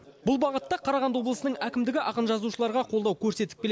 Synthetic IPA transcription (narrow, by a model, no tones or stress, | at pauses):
bʊlˠbɑʁət̪ːɑqʰɑɾɑʁɑnd̪wo̞blˠəsənəɴækʲɪmd̪ɪɡʲɪʔɑqənʒɑzuʃəlˠɑɾʁɑqʰolˠd̪ɑwkʲʰɵɾse̞t̪ɪ̥k̚bʲel